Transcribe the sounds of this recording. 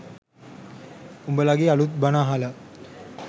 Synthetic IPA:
umbəlaɡeːalut̪̚banaːɦalə

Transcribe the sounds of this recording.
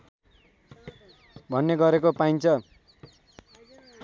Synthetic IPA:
bʱʌnːeɡʌɾekopajnt͡sʰʌ

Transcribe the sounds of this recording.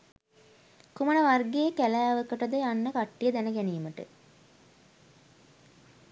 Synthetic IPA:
kumənəʋarɡejəkælæːʋəkəʈəd̪əjanːəkaʈːijəd̪ænəɡæniːməʈə̰

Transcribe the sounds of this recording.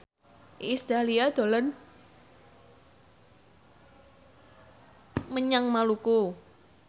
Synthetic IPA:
ʔist̪aliad̪̥o̤lən | məɲaŋmaluku

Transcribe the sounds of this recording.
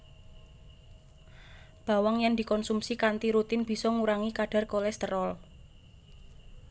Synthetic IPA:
b̥a̤waŋjɛŋd̪̥i̤kɔnsumsikant̪iɾut̪ɪnb̥i̤sɔŋuɾaŋikaɖ̥a̤rkɔlɛst̪əɾɔl

